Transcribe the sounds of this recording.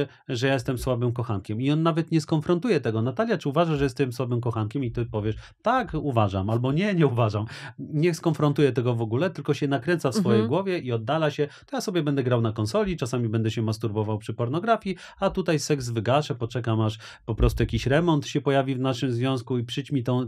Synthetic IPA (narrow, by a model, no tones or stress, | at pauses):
ʐɛjaɛst̪ɛmswabɘmkɔxankʲɛmiɔnːavɛt̪ɲɛskɔnfɾɔnt̪ujɛt̪ɛɡɔnat̪alʲjat͡ʂɘuvaʐaʐɛjɛst̪ɛmswabɘmkɔxankʲɛmit̪ɘpɔvʲjɛʂ | t̪akuvaʐa̰malbɔɲɛɲɛuvaʐamɲɛskɔnfɾɔnt̪ujɛt̪ɛɡɔvɔɡulɛt̪ɘlkɔɕɛnakɾɛ̃nt̪safssfɔjejɡwɔvʲjɛiɔd̪ːalaɕɛt̪ɔjasɔbʲjɛbɛnd̪ɛɡɾawnakɔnsɔlʲit͡ʂasamʲibɛnd̪ɛɕɛmast̪uɾbɔvawpʂɘpɔɾnɔɡɾafʲji | at̪ut̪ajsɛkzvɘɡaʂɛpɔt͡ʂɛkamaʂ | pɔpɾɔst̪ujakʲiɕɾɛmɔnt̪ɕɛpɔjavʲivnaʂɘmzvʲjɔ̃w̃skuipʂɘt͡ɕmʲit̪ɔ̃w̃